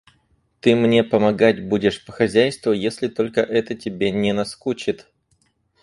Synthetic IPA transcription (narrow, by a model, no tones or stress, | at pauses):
t̪ɨmnʲe̞pəmɐɡatʲbudʲɪʂpə̥xɐzʲæjst̪vʊjesʲlʲɪt̪o̞lʲkəʔɛt̪ətʲɪbʲenʲɪnɐskut͡ɕɪt̪